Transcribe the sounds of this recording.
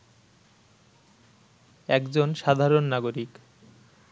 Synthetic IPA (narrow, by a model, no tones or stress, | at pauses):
ɛkd͡ʑonʃad̪ʱaɾonːaɡoɾik